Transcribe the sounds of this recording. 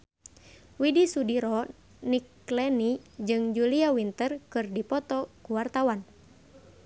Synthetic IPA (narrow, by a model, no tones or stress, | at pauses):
widisudiɾɔ | nik | lɛnid͡ʒɨŋd͡ʒuliawint̪ərkɨrdipɔt̪ɔkuwart̪awan